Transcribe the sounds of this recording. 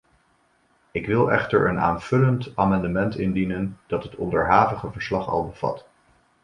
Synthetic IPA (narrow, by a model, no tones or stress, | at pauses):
ɪkʋɪlˠɛ̰χtə̰ɹʔə̰na̰ːnv̥ɵləntaːmɑndəmɛntɪndinənd̥ɑtɦətɔ̰ndəɹɦaːvəχəvəɹslɑχɑ̰lˠbəv̥ɑ̰t